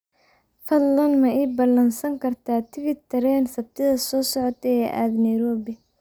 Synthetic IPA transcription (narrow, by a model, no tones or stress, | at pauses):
fɐd̪lɐnmɐʔiːbɐlɐnsɐŋkʰɐrt̪ʰaːt̪ʰɪβɪt̪ʰɐɾɛːnsɐb̚t̪ʰɪðɐsɔːsɔʕɔt̪ʰɛɛʔa̰ːd̪nɐjɾɔːbɪ